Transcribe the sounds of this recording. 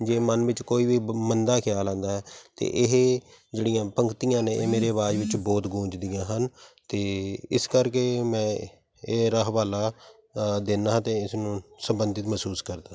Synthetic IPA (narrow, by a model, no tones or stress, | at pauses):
d͡ʒeːmənʋɪt͡ʃkoːiːʋiːmənd̪aːkʰɪjaːlãːnd̪aːɦɛːt̪ḛːʔɪɦ | d͡ʒeːɽijãːpəŋkt̪ijãːnẽːeːmeːɾeːʋaːd͡ʒʋɪt͡ʃbɔːt̪ɡũːd͡ʒd̪ijãːɦənt̪eːɪskəɾkeːmɛ̃ː | eːɾəɦʋaːlaː | d̪ɪnaɦt̪eːɪsnũːsəmbənd̪ɪt̪məsuːskəɾd̪aː